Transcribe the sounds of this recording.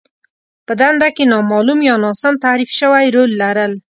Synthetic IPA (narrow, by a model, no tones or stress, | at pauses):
pəd̪and̪akenɑmɑlumjɑnɑsamt̪aɾifʃəwajɾolːaɾəl